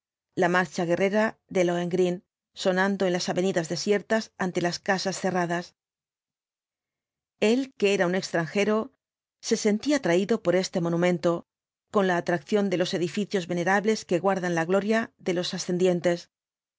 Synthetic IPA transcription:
lamaɾt͡ʃaɣe̞re̞ɾaðe̞loeŋɡɾin | so̞nãnd̪o̞e̞nlasaβe̞niðazðe̞sje̞ɾt̪asant̪e̞laskasasθe̞raðas | e̞lkee̞ɾaune̞kst̪ɾaŋxe̞ɾo̞ | se̞se̞nt̪iat̪ɾaiðo̞po̞ɾe̞st̪e̞mo̞nũmẽ̞nt̪o̞ | ko̞nlaːt̪ɾakθjo̞nd̪e̞lo̞se̞ðifiθjo̞zβe̞ne̞ɾaβle̞ske̞ɣwaɾðanlaɣlo̞ɾjaðe̞lo̞sasθe̞nd̪je̞nt̪e̞s

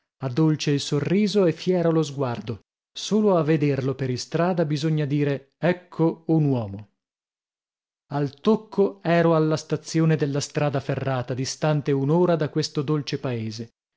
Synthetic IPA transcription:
ad̪ːolt͡ʃeilsorːiːzoɛfːjɛːɾolozɡward̪o | soːloavːed̪erlopeɾist̪ɾaːd̪abizoɲːad̪iːɾe | ɛkʰːounwɔːmo | alt̪okʰːoɛːɾoalːast̪at̪sːjoːned̪elːast̪ɾaːd̪aferːaːt̪ad̪ist̪ant̪eunoːɾad̪akːwest̪od̪olt͡ʃepaeːze

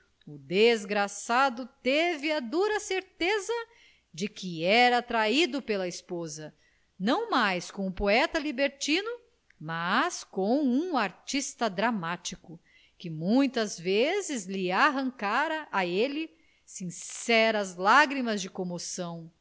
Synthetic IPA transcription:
ʊd̪ezɡɾasad̪ʊt̪evɪɐd̪uɾɐseɾt̪ezɐ | d͡ʒɪkɪɛɾɐːt̪ɾaid̪ʊpelɐispozɐ | nɐ̃w̃majskõw̃ʊpoɛt̪ɐlibeɾt͡ʃĩnʊ | maskõw̃ũaɾt͡ʃist̪ɐd̪ɾamat͡ʃikʊ | kɪmũj̃t̪ɐzvezɪzlɪaɦɐ̃ŋkaɾɐʔaelɪ | sĩsɛɾɐzlaɡɾimɐzd͡ʒɪkomosɐ̃w̃

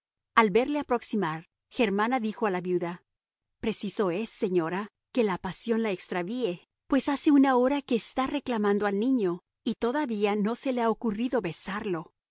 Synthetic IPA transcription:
albe̞ɾle̞apɾo̞ksimaɾ | xe̞ɾmanaðixo̞alaβjuða | pɾe̞siso̞e̞sːe̞ɲo̞ɾa | ke̞lapasjo̞nlaekst̪ɾaβie̞ | pwe̞sase̞unao̞ɾake̞ːst̪are̞klamãnd̪oalnĩɲo̞ | it̪o̞ðaβiano̞se̞leaokuriðo̞βe̞saɾlo̞

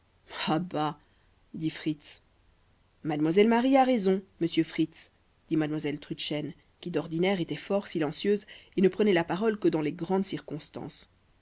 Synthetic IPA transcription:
aba | d̪ifχit̪s | mad̪mwazɛlmaʁiaʁezɔ̃məsjøfχit̪s | d̪̥imad̪mwazɛlt̪χyʃɛn | kʲid̪ɔʁd̪inɛʁet̪ɛfɔʁsilɑ̃sjøzenəpχənɛlapaʁɔlkəd̪ɑ̃leɡʁɑ̃d̪siʁkɔ̃st̪ɑ̰̃ːs

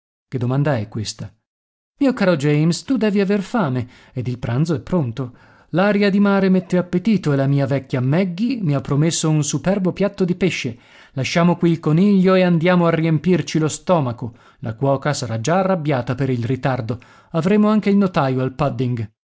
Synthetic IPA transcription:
k̟ed̪ːomand̪aɛkːwest̪a | miːokaːɾod͡ʒɛjmst̪ud̪ɛːviaverfaːme | ed̪ilpɾʔant̪zoɛpːɾont̪o | laɾjad̪imaːɾemet̪ːeapːet̪iːt̪oelamiːavɛkʲːjamɛɡːimiapːɾomesːounsupɛrbopjat̪ːod̪ipeʃːe | laʃːaːmokwiːlkoniʎːoeand̪jaːmoarːiempirt͡ʃilost̪ɔːmako | lʔa̰kwɔːkasaɾad͡ʒaːrːabːjaːt̪apeɾilrit̪ard̪o | avɾeːmoaŋkeilnot̪aːjoalpad̪ːiŋɡ

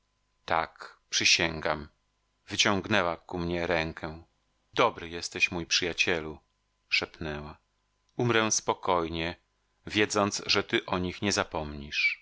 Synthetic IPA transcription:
t̪akpʂɘɕɛŋɡam | vɘt͡ɕɔ̃ŋɡnɛwakumɲɛɾɛŋkʰɛ | d̪ɔbɾɘjɛst̪ɛɕmujpʂɘjat͡ɕɛlu | ʂɛpnɛwa | umɾɛ̃spɔkɔjɲɛ | vʲjɛd̪zɔnt̪sʐɛt̪ɘʔɔɲixɲɛzapɔmɲiʂ

